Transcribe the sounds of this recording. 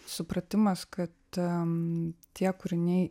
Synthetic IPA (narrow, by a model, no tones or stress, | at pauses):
sʊpɾɐt̪ʲɪmɐskɐt̪ | t̪ʲiɛkʊɾʲɪnʲɛɪ